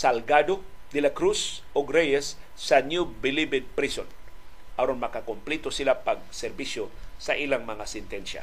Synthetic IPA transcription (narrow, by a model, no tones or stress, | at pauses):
sɐlɡad̪od̪ɪlakɾusʔoɡɾɛjɛsː | ɐnjubɪlibɛd̪̚pɾison | ʔɐɾonmɐkakomplit̪osɪlapɐɡ̚sɛɾbiʃjosɐʔilaŋmɐŋasɛnt̪ɛnʃa̰